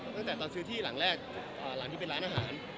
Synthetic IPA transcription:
t̪a˥˩ŋt̪ɛː˨˩t̪ɔː˧nsɯː˦˥t̪ʰiː˥˩la̰˩˦ŋɾɛː˥˩k̚ | ʔəː˨˩la˨˩˦ŋt̪i˥˩e˧nɾaː˦˥nʔaː˧ɦaː˩˦n

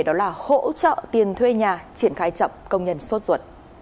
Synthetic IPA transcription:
ɗɔ˨˦laː˨˩ho̰˧˥t͡ɕə̰ː˧˨t̪i˨˩ənt̪ʰwe˧ɲaː˨˩t͡ɕi˧˩ənxaː˨˦jt͡ɕə̰˧˨wŋ͡mkə˧wŋ͡mɲə˧nso˦˥t̚zwə˨˩t̚

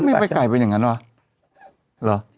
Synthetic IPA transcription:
ma˥˩jpa˧jka˨˩jpa˧nja˨˩ŋa˦˥nwa˦˥ | lɤ˨˦

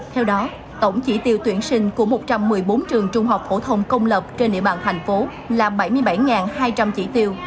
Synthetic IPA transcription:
t̪ʰɛ˧wɗɔ˨˦ | t̪o˧˩ŋ͡mt͡ɕḭ˧˩t̪i˧wt̪wi˧˩ənsï˧ŋ̟ku˧˩əmo˨˩t̚t͡ɕa˧mːɨ˨˩əjɓo˨˦nt͡ɕɨ˨˩əŋt͡ɕʊ˧ŋ͡mɦa˨˩wk͡p̚fo̰˧˩t̪ʰə˧wŋ͡mkə˧wŋ͡mləː˨˩p̚t͡ɕe˧nɗḭ˧əɓaː˨˩nt̪ʰɛ˨˩jŋ̟fo˨˦ | laː˨˩ɓa˧˩jmɨ˧əjɓa˧˩jŋaː˨˩nhaː˧jt͡ɕa˧mt͡ɕḭ˧˩t̪i˧əw

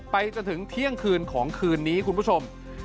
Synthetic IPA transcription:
pa˧jt͡ɕo˧nt̪ʰɯ˩˦ŋt̪ʰi˦˥əŋkʰɯː˧nkʰɔː˩˦ŋkʰɯː˧nːiː˦˥kʰu˧npʰu˥˩o˧m

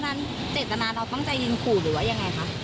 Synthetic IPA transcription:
na˦˥n | t͡ɕeː˨˩t̪̚t̪a˧naː˧ɾa˧wt̪ɔ˥˩ŋt͡ɕa˧˩jːi˧nkʰuː˨˩ɾɯː˩˦waː˦˥˩ja˧ŋːa˧jkʰa˦˥

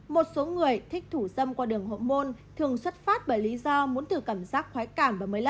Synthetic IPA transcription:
mo˨˩t̚so˨˦ŋɨ˨˩əjt̪ʰï˦˥k̟̚t̪ʰu˧˩sə˧mkwaː˧ɗɨ˨˩əŋho̰˧˨mo˧nt̪ʰɨ˨˩əŋswə˦˥t̚faː˦˥t̚ɓəː˧˩jli˨˦zɔ˧mu˨˦ənt̪ʰɨ˨˩kaː˧˩mzaː˦˥k̚xwaː˨˦jkaː˧˩mvaː˨˩məː˨˦jla˧˥˩

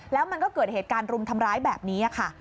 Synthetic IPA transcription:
lɛː˦˥wma˧nkɔː˥˩kɤː˨˩t̪̚heː˨˩t̪̚kaː˧nɾu˧mt̪ʰa˧mɾaː˦˥jbɛː˨˩p̚niː˦˥ʔa˨˩kʰa˥˩

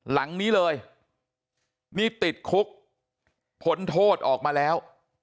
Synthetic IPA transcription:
la˩˦ŋniː˦˥lɤː˧j | niː˥˩t̪i˨˩t̪̚kʰu˦˥k̚ | pʰo˦˥nt̪ʰoː˥˩t̪̚ʔɔː˨˩k̚maː˧lɛː˦˥w

